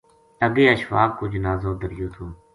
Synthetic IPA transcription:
əɡeːəʃʋaːkːuːd͡ʒnaːzõːd̪əɾjõːt̪ʰoː

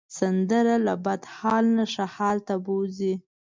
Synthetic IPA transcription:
sand̪əɾalabad̪hɑlnaʂahɑlt̪abozi

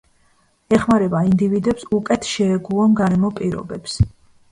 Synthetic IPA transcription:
ɛχmaɾɛbaind̪ivid̪ɛpsukʼɛt̪ʰʃɛɛɡulˠɔmɡaɾɛmɔpʼiɾɔ̰bɛps

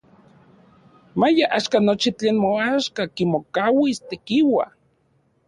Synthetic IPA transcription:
majaʔaʃkanot͡ʃit͡ɬeːnmoaʃkakimokawist̪ekiwa̰

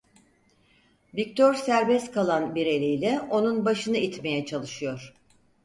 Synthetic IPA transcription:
vic̚t̪ʰo̞ɾsæɾbɛst̪kʰalˠanbiɾe̞lʲijlʲɛʔo̞nunbaʃɯnɯit̪me̞jɛt͡ʃʰalˠɯʃɯjo̞ɾ̥

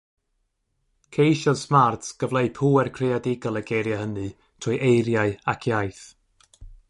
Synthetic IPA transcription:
kʰejʃɔsmartɡ̥əvlˠeɨpʰuːɛrkʰreadɪɡɔlˠəɡejɾjahənɨ | tʰʊjʔejɾjaɨakʰjajθ

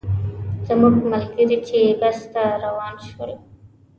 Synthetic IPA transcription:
zamuɡmalɡəɾit͡ʃebast̪aɾawɑnʃoɾe

